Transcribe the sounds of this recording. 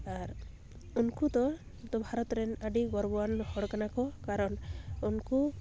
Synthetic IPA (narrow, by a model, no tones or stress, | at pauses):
aɾ | unkut̪ɔ | t̪ɔbʱaɾɔt̪ɾenaɖiɡɔɾbɔwanhɔɽkanakɔkaɾɔnunku